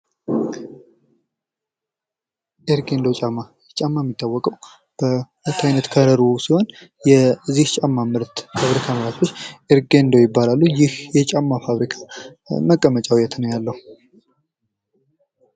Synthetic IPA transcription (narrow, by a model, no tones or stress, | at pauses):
ʔeɾɡe̞nd̪ot͡ʃʼamːa | ɛt͡ʃʼamːajmːit̪ʰʼːawːɔkʼəw | b̥əɾət̪ʰːajnət̪kʰəɾəɾusiho̞njɛɨziht͡ʃʼamːamɨɾt̪faβɾikʰaməɾat̪ʰot͡ʃːʔeɾɡe̞nd̪ojɪbːalalːujɪhjɛt͡ʃʼamːafaβɾikʰḁ | məkʼːəmət͡ʃʼawjɛt̪ʰnəwjalːəhu